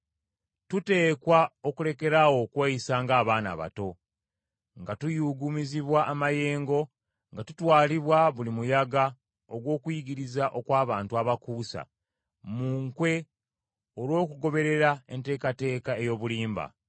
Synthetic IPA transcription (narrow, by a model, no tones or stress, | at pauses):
tute̞ːkwaokule̞ke̞ɾawo̞kwaːjisaːŋɡaːβaːna̰βa̰to̞ | ŋɡatujuɡumiziβwaʔːmaje̞ːŋɡo̞ | ŋɡatutwaːliβwaβulimujaɡa | oɡwo̞ːkwiɡiɾizaʔo̞kwaːβaːntuaβakuːsa̰ | muːŋkwe̞ | olwo̞ːkuɡo̞βe̞ɾe̞ɾaente̞ːkate̞ːkae̞jo̞ːβuliːmba̰